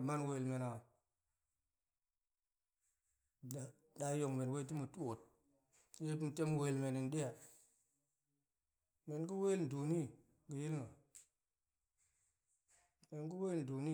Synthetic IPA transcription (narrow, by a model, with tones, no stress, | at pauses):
ma˦nwe˨lme˨na˨ | da˨ | da˦jo˨ŋme˨n˨we˦t̬i˦mu˨tu˦wo˨t̚ | je˦pi˦m˨te˦m˦we˨lme˨ni˨nɗe˦ja˨ | me˨nɡi˦we˦ln˨du˨ni˦˨ | ɡi˨ji˦lno˨ | me˨nɡi˦we˦ln̩˨du˨ni˦